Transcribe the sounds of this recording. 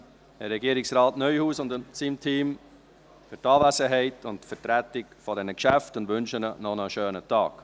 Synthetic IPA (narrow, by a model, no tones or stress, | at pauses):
əɾɛɡiəɾɪksɾɑːtnœʏhuːsʊndʊnsimtʰiːm | fʏɾtɑːvæsəɦɛɪtʊnttfəɾtɾætɪkfɔdɛnəkʃæftʊndʋʏnʃənənɔnəʃøːnətɑ̰ːk